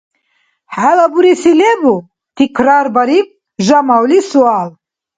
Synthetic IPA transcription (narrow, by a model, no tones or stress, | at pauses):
ħalabuɾisilɛbu | t̪ʰikʰɾaɾbaɾik̚ | ʒamawlisual